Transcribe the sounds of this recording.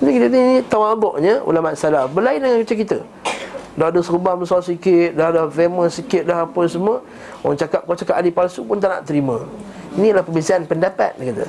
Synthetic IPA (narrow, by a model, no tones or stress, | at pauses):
t̪əkit̪ət̪iinit̪amabɔʔɲəṵlamat̪salabəlaɪndəŋankət͡ʃək̬it̪ə̰ | dadəsəɾubahməsasikɪt̪̚dahdafeməsikɪt̪̚laɦapəsəmuə | aaŋt͡ʃakap̚kat͡ʃakap̚alipalsupʊnt̪aʔna̰ʔt̪əɾimə̃ | inilahpəbisaanpəndapa̰t̪̚dakat̪ə̰